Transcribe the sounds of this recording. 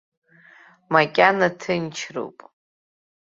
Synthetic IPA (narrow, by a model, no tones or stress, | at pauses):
makʲʼanatʰɨnt͡ʃʰro̰wpʼ